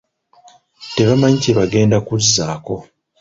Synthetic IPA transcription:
te̞βamaɲiciβaɡe̞ːndakuzːaːko̞

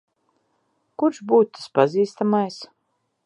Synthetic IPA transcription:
kuɾʃbuːt̪̚t̪ːḁspaziːst̪amajs

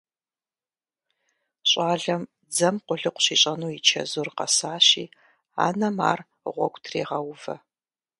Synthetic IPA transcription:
ɕʼaːɮɐm | d͡zɐmqʷʊɮɨqʷʊ̥ɕiːɕʼɐnuːit͡ʃʰɐ̰zurqɐsaːɕiː | a̰ːnɐma̰ːr | ʁʷɔɡʷtʰreːʁɐwvɐ

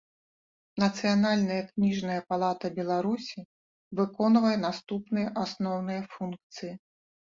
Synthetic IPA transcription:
nɐt̪sɨjanalʲnɐjɐknʲiʐnɐjɐpalˠat̪ɐbʲɛlˠaɾusʲi | vɨkɔnvɐjɛnast̪upnɨjɐʔasnɔwnɨjɐfunkt̪sɨji

